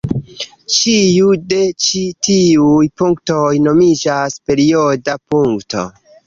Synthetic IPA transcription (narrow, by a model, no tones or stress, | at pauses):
t͡ʃiude̞t͡ʃitiujpuŋkto̞jno̞mid͡ʒaspe̞ɾiodapuŋkto̞̰